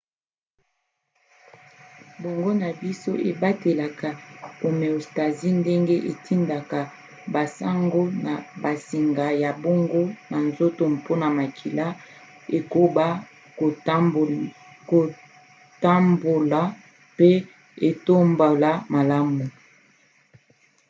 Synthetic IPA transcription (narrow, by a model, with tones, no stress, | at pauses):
bo˨ŋɡo˦na˨bi˦so˦ʔe˨ba˦te˨la˨ka˨o˨me˨o˨sta˨zi˦nde˦ŋɡe˦ʔe˨tʰi˦nda˨ka˨ | ba˨sa˦ŋɡo˦na˨ba˨si˨ŋɡa˨ja˨bo˦ŋɡo˦na˨nzo˦to˨mpo˦na˨ma˨kʰi˨la˦ | e˨ko˦ba˦ | o˨˦ | ko˨ | ta˦mbo˨la˨ | pe˦ | e˨to˦mba˨la˦ma˨la˦mu˨